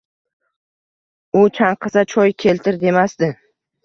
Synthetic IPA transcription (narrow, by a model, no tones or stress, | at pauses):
ʊt͡ʃʰaɴqʰɨsat͡ʃʰɒjkʲʰe̞lt̪ʰɪɾd̪e̞masd̪ɪ